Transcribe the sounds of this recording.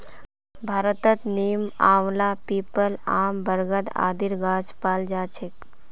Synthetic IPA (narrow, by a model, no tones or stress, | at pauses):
bʱaːɾət̪ət̪niːmaːʋlaːpiːpəlaːmbəɾɡət̪a̰ːd̪iɾɡaːt͡ʃpaːld͡ʒaːt͡ʃʰek